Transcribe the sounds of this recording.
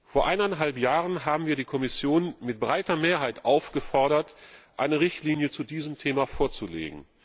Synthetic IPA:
foːɐʔaɪnanɦalpjaːʁənɦaːbm̩viːɐdiːkʰɔmɪsjoːnmɪt̚b̥ʁaɪtɐmeːɐɦaɪtʔaʊfɡ̥əfɔɐɾɐtʔaɪnəʁɪçtliːnjət͡sudiːzəmtʰeːmafoːɐt͡sulḛːɡŋ̩

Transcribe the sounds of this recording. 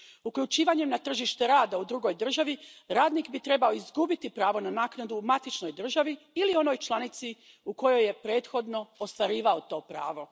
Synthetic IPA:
ukʎut͡ʃiːʋaɲe̞mnat̪r̩ʒiʃt̪e̞ɾaːd̪aud̪ɾuɡo̞jd̪r̩ʒaʋiɾaːd̪niːkbit̪ɾe̞bao̞izɡubit̪ipɾaːʋo̞nanaːknad̪umat̪it͡ʃno̞jd̪r̩ʒaʋi | ilio̞no̞jt͡ʃlˠanit̪si | uko̞jo̞je̞pɾe̞ːt̪xo̞d̪no̞ost̪ʋaɾiːʋaot̪o̞ːpɾa̰ːʋo̞

